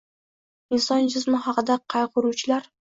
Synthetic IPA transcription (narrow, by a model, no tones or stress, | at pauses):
ɪnsɒnd͡ʒɪzmɪχɑqɨd̪aqʰɑjqʊɾuwt͡ʃʰɪlaɾ